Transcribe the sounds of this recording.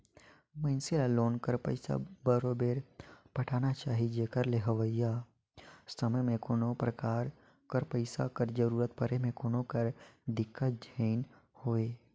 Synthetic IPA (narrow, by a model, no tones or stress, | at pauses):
mə̃ɪnselaloːnkəɾpəɪsa̰bəɾobeːɾpəʈʰaːnat͡ʃaːɦid͡ʒeːkəɾleɦəʋəja | səməjmẽkoːnopɾəkaːɾ | kəɾpəɪsa̰kəɾd͡ʒəɾuːɾət̪̚pəɾemẽkoːnokəɾd̪ɪkːət̪̚d͡ʒʱəːn | hoːeː